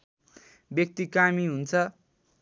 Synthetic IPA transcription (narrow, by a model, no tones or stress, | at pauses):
bjʌk̚t̪ikamiɦunt͡sʰʌ